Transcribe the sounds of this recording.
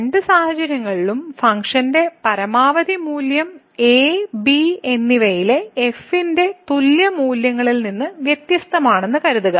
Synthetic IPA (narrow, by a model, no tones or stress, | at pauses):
ɳɖɨsaːhɐt͡ɕɐɾjɐŋːɐɭiɭumfɐŋkʂɐnde̞pɐɾɐmaːʋɐd̪imuːljɐm | eːbienːiʋɐjileefinde̞t̪uljɐmuːljɐŋːɐɭilninːɨʋjet̪jɐst̪ɐmaːɳe̞nːɨkɐɾuðuɣɐ